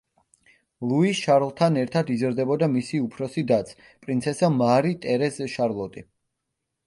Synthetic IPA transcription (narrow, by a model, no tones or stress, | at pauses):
lˠuiʃaɾlˠt̪ʰanɛɾt̪ʰad̪izɾd̪ɛbɔd̪amisiupʰɾɔsid̪at̪sʰ | pʼɾint̪sʰɛsamaɾit̪ʼɛɾɛzʃaɾlˠɔt̪ʼi